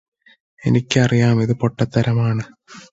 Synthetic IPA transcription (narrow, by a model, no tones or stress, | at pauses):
e̞̰nikʲːɨɐrijaːmiðɨpo̞ʈːɐt̪ːɐɾɐmaːɳɨ